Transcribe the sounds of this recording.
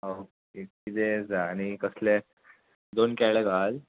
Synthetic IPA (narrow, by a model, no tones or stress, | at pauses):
ok | ekid̪ed͡zaːñikəslẽ | d̪onkɛjlɛɡʱal